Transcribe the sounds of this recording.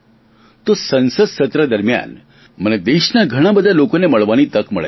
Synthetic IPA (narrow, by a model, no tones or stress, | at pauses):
t̪osə̃nsəd̪sət̪ɾəd̪əɾmja̰n | məned̪eɕnaɡʱəɽ̃abəd̪ʱalokoneməɭʋanit̪əkməɭə̰